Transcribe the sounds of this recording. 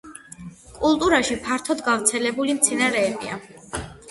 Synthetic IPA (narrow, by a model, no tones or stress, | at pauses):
kʼulˠt̪ʼuɾaʃipʰaɾt̪ʰɔd̪ɡavɾt̪sʰɛlɛbulimt̪sʰinaɾɛːbḭa̰